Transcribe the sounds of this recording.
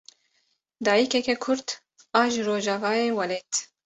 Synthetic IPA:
d̪ɑːjikɛkɛkʰʊɾt̪ | ɑːʒɾoːʒɑːvɑːjeːwɛleːt̪

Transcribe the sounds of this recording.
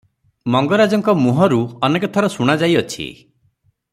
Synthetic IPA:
mɔŋɡɔɾad͡ʒɔŋkɔmuɦɔɾuɔnekɔt̪ʰɔɾɔsuɽ̃ad͡ʒajɔt͡ʃʰḭ

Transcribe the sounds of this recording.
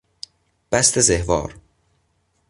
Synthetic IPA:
b̥æst̪ʰezehvɒ̰ːɾ

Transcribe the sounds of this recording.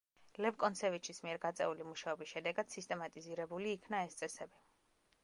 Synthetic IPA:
lɛvkʼɔnsʰɛvit͡ʃʰismiɛɾɡat̪sʼɛ̰ulimuʃaɔbisʃɛd̪ɛɡad̪̥sist̪ʼɛmat̪ʼiziɾɛbuliːkʰnaɛst̪sʼɛsɛbi

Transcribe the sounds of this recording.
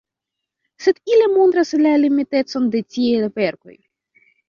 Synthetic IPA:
sɛt̪ilʲɛmond̪ɾɐsɛlʲalʲimʲit̪ɛt̪sɔmd̪ɛt͡sʲijejvɛrkɔ̰jṵ

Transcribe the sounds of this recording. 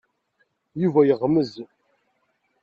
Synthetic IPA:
juvæjəʁməz

